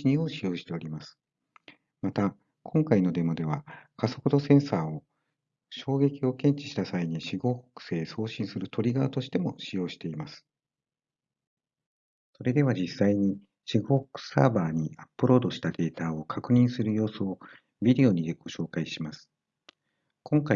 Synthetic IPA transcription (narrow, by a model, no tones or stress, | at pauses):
iɲio̞ɕijo̞ːɕi̥t̪e̞o̞ɾʲimasɨ̥ | mat̪a | kʰõ̞ŋkaino̞d̪e̞mod̪e̞β̞akaso̞kɯd̪o̞sẽ̞ɰ̃saːo̞ | ɕo̞ːɡe̞kʲio̞kẽ̞ɲ̟t͡ɕi̥ɕi̥t̪asaiɲ̟iɕiɡo̞ːho̥kɯ̟̥se̞ːso̞ːɕĩɰ̃sɨɾɯ̟t̪ʰo̞ɾʲiɡaat̪o̞ɕi̥t̪e̞mo̞ɕijo̞ːɕi̥t̪e̞imasɨ̥ | so̞ɾe̞d̪e̞βad͡ʑisːaiɲ̟i | ɕiɡo̞ːho̥kɯ̟̥sa̰ːbaːɲ̟iʔapːɯ̟ɾo̞ːd̪o̞ɕi̥t̪ad̪e̞ːt̪aːo̞kʰakɯ̟ɲ̟ĩɰ̃sɨɾɯ̟jo̞ːsoo | bʲid̪e̞o̞ɲ̟id̪eɡ̥o̞ɕo̞ːkaiɕimasɨ̥ | kõ̞ŋka